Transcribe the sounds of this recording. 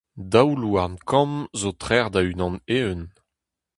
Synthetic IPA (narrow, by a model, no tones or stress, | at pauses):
dawluamkʰɑ̃mzot̪χɛʁd̪aynɑ̃neən